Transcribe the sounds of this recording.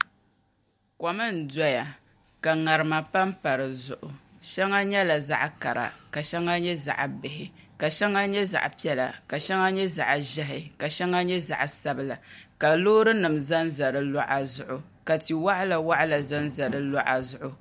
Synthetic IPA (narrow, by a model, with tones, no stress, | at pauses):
ka˨mɨ˦n̩˨dɔ˦ja˨ | ka˨ŋa˨ɾɨ˨ma˨pa˦mpa˨ɾɨ˨zʊ˨ʔʊ˨ | ʃɛ˦ŋa˦ɲɛ˦la˨za̰˦ʔka˨ɾa̰˨ka˨ʃɛ˦ŋa˦ɲɛ˦za̰˨ʔbɪ˨ɦɪ˨ | ka˨ʃɛ˦ŋa˦ɲɛ˦za̰˨ʔpi˦ɛ˦la̰˨ka˨ʃɛ˦ŋa˦ɲɛ˦za̰˨ʔʒɛ˦ɦɪ˨ka˨ʃɛ˦ŋa˦ɲɛ˦za̰˨ʔsa˦bɨ˨la˨ka˨loː˦ɾɨ˦nɨ˨mza˦nza˨ɾɨ˨lɔ˦ʔa˨zʊ˨ʔʊ˨ka˨ti˨wa˦ʔla˨wa˦ʔa˦la˨za˦nza˨ɾɨ˦lɔ˦ʔa˨zʊ˨ʔʊ˦